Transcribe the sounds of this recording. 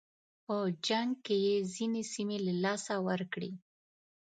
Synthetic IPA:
od͡ʒaŋɡ̚kejezinesimelalɑsawəɾkɽi

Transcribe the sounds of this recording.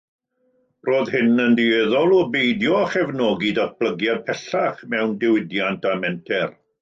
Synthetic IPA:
roːðhɪnəndiɛðɔlˠɔbejdjɔχɛvnɔːɡidat̚b̥lˠəɡjad̚pʰɛɬaχmɛwndɪwɪdjantamɛntʰɛr

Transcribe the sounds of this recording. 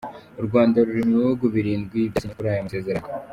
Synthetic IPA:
uɾɡwaːndaɾuɾimwoɡuβiɾiːnɡwiβisikuɾajomase̞ːze̞ɾa

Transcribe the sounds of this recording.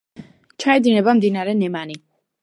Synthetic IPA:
t͡ʃʰaɛd̪inɛbamd̪inaɾɛnɛmani

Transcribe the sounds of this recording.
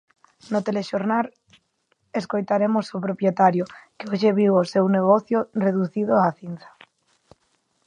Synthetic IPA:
not̪eleʃoɾnal | eskojt̪aɾemosopɾopjet̪aɾjokeoʃeβiβosewneɣ̞oθjoreðuθið̞oaθin̟θḁ

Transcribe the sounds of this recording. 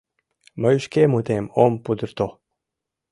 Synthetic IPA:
məjuʃkemut̪emompud̪əɾt̪o

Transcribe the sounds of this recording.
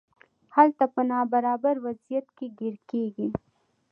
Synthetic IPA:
hɐlt̪ɐpɐnaːbɐɾaːbəɾwɐzijət̪kiɡɪɾkeːɡi

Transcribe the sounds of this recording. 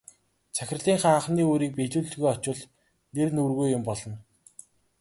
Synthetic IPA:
t͡sʰæxʲɪ̆rɮiːŋχaɴχniːoːɾiːk̚pet̪uːɮɣujɔt͡ɕʊ̆ɮ | nernurɣujːʊmpɔɮɞ̆n

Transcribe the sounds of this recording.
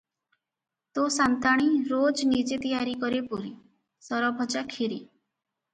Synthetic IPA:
t̪osant̪aɽ̃iɾod͡ʒnid͡ʒet̪ijaɾikɔɾepuɾi | sɔɾɔbʱɔd͡ʒakʰiɾi

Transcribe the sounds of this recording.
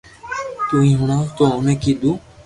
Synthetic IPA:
t̪uːĩːɦʊɳãːt̪oːʊnẽːkiːɗ̪uː

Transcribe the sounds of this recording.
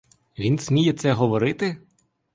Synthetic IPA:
ʋʲinsʲmʲijɛt̪sɛɦɔʋɔɾɪt̪ɪ

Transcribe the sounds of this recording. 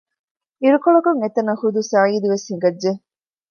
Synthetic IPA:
iɾukoɭɐkuŋet̪ːɐnɐhud̪usaːiːd̪iʋeshiŋ̆ɡɐdːe

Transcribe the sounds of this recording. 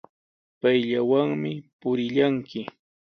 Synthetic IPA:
pajʎawaŋmɪpʊɾɪʎaŋkɪ

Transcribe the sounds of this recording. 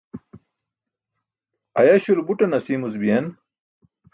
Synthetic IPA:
ɐjaɕulbuʈɐnɐsiːmusbijɐn

